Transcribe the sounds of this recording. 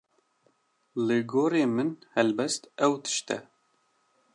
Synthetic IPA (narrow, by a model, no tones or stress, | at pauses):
lɨɡoːɾeːmɨnhɛlbɛst̪ɛwt̪ʰɨ̥ʃt̪ɛ̰